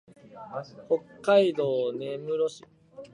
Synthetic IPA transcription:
ho̞kːaid̪o̞ːne̞mɯ̟ɾo̞ɕi

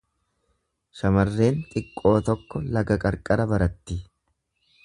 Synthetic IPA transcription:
ʃɐmɐrːe̞ːŋk̪ʼɪkʼːo̞ːt̪ɔkːɔlɐɡɐkʼɐɾkʼɐɾɐbɐɾɐt̪ːɪ

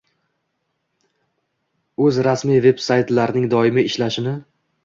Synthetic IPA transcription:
ɵzɾasmijve̞bsajt̪laɾnɪŋd̪ɒɪmɪɪʃlaʃɪnɪ

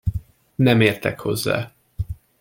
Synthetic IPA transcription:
nɛmeːrt̪ɛkho̞̰zːa̰ː

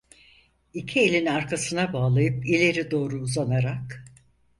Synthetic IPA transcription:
icʰie̞lʲinaɾkʰasɯnabaːlˠajɯpilʲe̞ɾid̪o̞ːɾuːzanaɾak

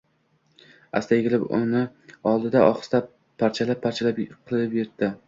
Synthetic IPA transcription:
a̰st̪ajɡʲɪlɪpʊ̰nɪ | ɒlˠd̪ɪd̪aʔɒχɨ̥st̪a | pʰːaɾt͡ʃʰalapʰːaɾt͡ʃʰalapqʰɨlˠɪpjeɾt̪̚ːɪ

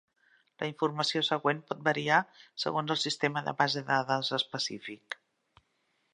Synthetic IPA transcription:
ləiɱfurməsiosəɣwenpɔt̪̚bəɾiasə̰ɣonzəlˠsist̪eməðə̰βazəðaðəzəspəsḭfik

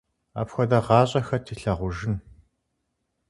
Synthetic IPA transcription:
a̰ːpxʷɔdɐʁɑːɕʼɐxɐtʰiːɬɐʁʷʊʒɪn

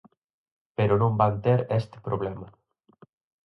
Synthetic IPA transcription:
peɾonõmbant̪eɾest̪e̥pɾʔoβ̞lɛma

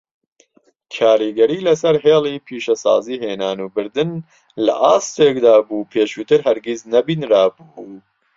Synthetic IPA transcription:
kʰaːɾiɡɐɾiːlɐsɐɾɦeːlˠiːpʰiːʃɐsa̰ːziːheːnaːnuːbɨɾd̪ɨn | lɐ̰ʔaːst̪eːkd̪aːbuːpʰeːʃuːt̪ɨɾɦɐɾɡiznɐbiːnɾaːbu

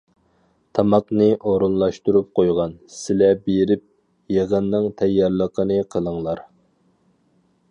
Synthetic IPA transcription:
t̪ʰɑmɑqnɨʔoɾunlˠɑʃt̪uɾup̚qʰojʁɑnsɪlɛbeɾɪp̚ | jeʁənːɨŋt̪ʰɛjːɑɾlˠəqʰənɨqʰəlˠəŋlˠɑɾ

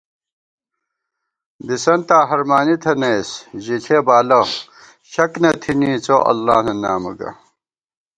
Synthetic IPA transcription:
d̪isɐnt̪aːɦɐɾmaːnit̪ʰɐnejsʑiɬʰebaːlɐ | ɕɐknɐt̪ʰinit͡soʔɐ̰lːaːnɐnaːmɐ̰ɡɐ̰

